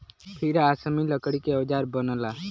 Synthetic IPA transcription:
pʰiɾaːsəmiləkəɽikeod͡ʒaːɾbənəla

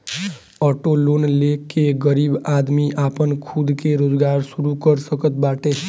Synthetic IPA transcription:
ɔʈolonlekeɡəɾibad̪miʔapənkʰud̪keɾod͡ʒɡaɾsuɾukəɾsəkət̪̚baʈe

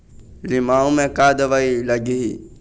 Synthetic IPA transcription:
lɪmaːõmẽkaːd̪əʋailɐɡiɦi

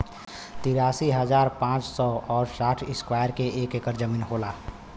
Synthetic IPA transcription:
t̪iɾaːsiɦəd͡ʒaːɾpãːt͡ʃsɔɔːɾsaːʈʰɪskwajəɾkeʔeːkekəɾd͡ʒəmiːnɦolaː

